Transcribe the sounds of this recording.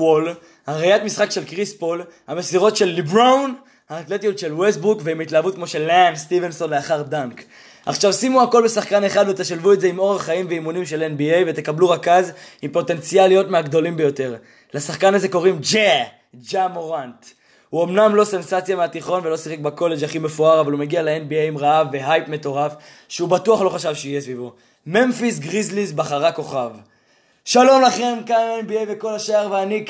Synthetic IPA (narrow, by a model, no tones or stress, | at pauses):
ol | haʁejat̪misχakʃe̞lkʁispo̞l | hamesiʁo̞tʃe̞lːibʁawn | haːt̪le̞t̪ijut̪ʃe̞lwesbukveimit̪laavut̪̚kmo̞ʃelanst̪ivenso̞nleaχaʁdaŋk | a̰χʃavsimuako̞lbe̞saχkane̞χad̪vet̪eʃalvue̞tze̞imo̞ʁeχaimveimunimʃe̞lenbiejve̞t̪e̞kabluʁakazimpo̞t̪e̞nt͡sialːijo̞t̪meaɡd̪o̞limbe̞jo̞te̞ʁ | lasaχkanaze̞ko̞ʁimd͡ʒe | d͡ʒamoʁant | huo̞mnamlo̞se̞nsat͡sjameat̪iχo̞nve̞lo̞siχek̚bako̞le̞d͡ʒaχime̞fuaʁavalumeɡialeenbiejimʁaavːe̞ɦajpme̞to̞ʁaf | ʃeubatuaχlo̞χaʃavʃeijesvivo | me̞nfis̬ɡʁizlizbaχaʁako̞χav | ʃalo̞mlaχe̞mkanenbiejveko̞laʃaaʁveanik